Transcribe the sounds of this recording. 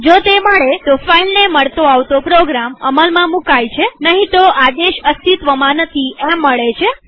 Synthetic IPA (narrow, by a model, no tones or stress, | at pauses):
d͡ʒot̪eməɭet̪ofailneməɭt̪oaʋt̪opɾoɡɾaməməlmãmũkajt͡ʃʰenəɦĩt̪oad̪eʃəst̪it̪ʋəmãnət̪ʰiʔemːəɭet͡ʃʰe